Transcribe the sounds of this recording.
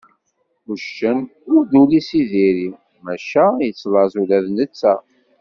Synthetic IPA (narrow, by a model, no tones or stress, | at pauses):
uʃːənʊɾd̪ulisiðiɾi | mæʃæjət͡sːlɑzulæðnət͡sːæ